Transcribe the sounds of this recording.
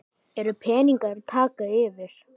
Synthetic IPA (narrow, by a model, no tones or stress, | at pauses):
ɛɾʏpʰɛːniŋkaɾt̪ʰaːkaɪvɪɾ̥